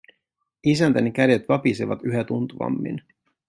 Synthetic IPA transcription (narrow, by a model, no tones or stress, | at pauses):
isænt̪ænikæde̞t̪ʋɑpisiʋɑt̪yɦæt̪unt̪uʋɑ̰mːḭn